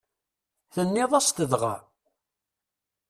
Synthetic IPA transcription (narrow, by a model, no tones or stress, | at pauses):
θənːɪðˤɑst̪əðʁa̰